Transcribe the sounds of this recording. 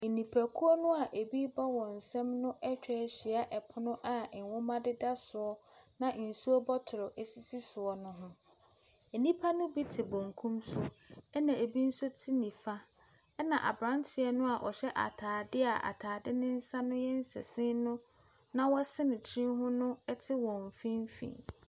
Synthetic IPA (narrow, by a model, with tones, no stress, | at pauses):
e˨nĩ˨pʰæ˨kʰu˦ɔ˦nʊ̃˦a˨ʔe˨bi˦bɔ˦wɔ˨n̩˨sɛ̃˦mnʊ̃˦ʔɛ˦t͡ɕᶣɛ˨ɕi˨a˦ʔɛ˨pʰʊ˦nʊ̃˦ʔa˨n̩˨wɔ̃˦mã˦dɪ˦da˦sʊ˨ɔ˦nã˨n̩˨su˦ɔ˦bɔ˦tʰʊ˨ɾʊ˨ʔe˨si˦si˦sʊ˨ɔ˨nʊ̃˦ɦʊ̃˦ | e˨nĩ˦pʰa˦nʊ̃˦bi˦tʰɪ˨bõ˨ŋkʰũ˦msʊ˦ɛ˦nã˨e˨bi˦n̩˦sʊ˦tʰi˦nĩ˨fa˦ | ɛ˦nã˨ʔa̰˨bɾã˦ntʰɪ˨ɛ˨nʊ̃˦a˨ʔɔ˨ɕɛ˦ʔa̰˨tʰaː˨dɪ˦a˨ʔa̰˨tʰaː˨dɪ˦nɪ̃˦n̩˦sa˦nʊ̃˦jɛ˦n̩˦sɛ̰˨sɪ̃˦nʊ̃˦ | nã˦wɔ˦sɪ˦nɪ̃˨t͡ɕʰɾĩ˦ɦʊ̃˦nʊ̃˦ɛ˦tʰɪ˦wɔ̃˨ɱ˨fĩ˦m˦fḭ̃˨n